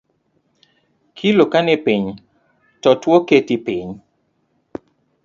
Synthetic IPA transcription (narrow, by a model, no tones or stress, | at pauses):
kʰilokanepiɲ | tɔtwoketipiɲ